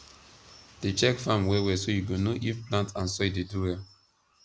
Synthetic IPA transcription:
d̥et͡ʃɛkfãmwɛwɛsojuɡonoʔifplãntãnsoideduwɛ

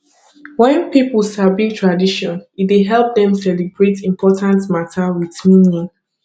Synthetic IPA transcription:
wɛ̃npipəlˠsabiɡ̚tʰɹadiʃɔ̃nit̚deɦɛlˠp̚dɛ̃msɛlibɹetĩmpʰɔtʰãntmatʰawiθminĩ

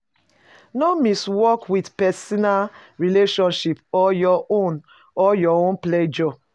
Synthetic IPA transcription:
nomiswɔkwidpɛsɔnalɹileʃɔ̃nʃipɔjɔon | ɔjɔõnplɛd͡ʒɔ

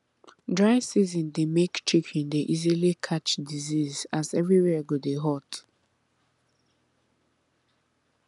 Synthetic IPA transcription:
dɹaɪsizɔ̃ndemekt͡ʃʰikʰĩndeʔizilikʰat͡ʃdizizazɛvɹiwɛɡodeɦɔt

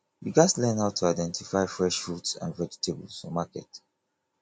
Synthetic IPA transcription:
wḭɡatlɛ̃nhaʊtʰːuaɪdɛ̃ntʰifaɪfɹɛʃfɹutsã̰nɹɛki̥tʰebəlsɔmakɛ̰t

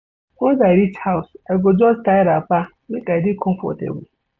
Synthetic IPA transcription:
ɔ̃zaɾit͡ʃhaʊsɛɡɔd͡ʒɔstaɪɾapa | mɪ̃kʼaɛdɪkʰɔ̃mfɔ̰tḛbu

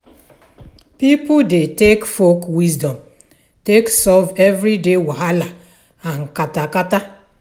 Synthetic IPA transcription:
pipʊdetekfokwizdɔ̃m | teksɔvevɾidewaɦala | aŋ̩katakata

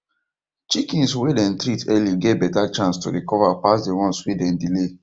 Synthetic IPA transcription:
t͡ʃikĩnswɛdɛ̃ntɾitʰɛliɡevbɛtat͡ʃãnsto̰ɹikɔvapasdewɔ̃nswidɛ̃ndile

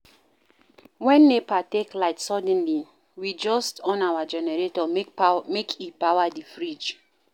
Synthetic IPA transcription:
wɛ̃nːepateklaɪtsɔdɛ̃nli | wid͡ʒɔstɔ̃nawad͡ʒɛnɛɹetɔkmekʰipawadifɹid͡ʒ

